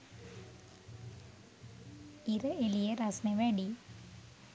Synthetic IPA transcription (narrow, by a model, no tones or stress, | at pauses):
iɾɨelijɐɾɐsneʋeːɳɖi